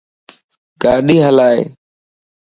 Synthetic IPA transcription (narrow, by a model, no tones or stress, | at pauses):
ɡaːɗiːɦəlaːḛː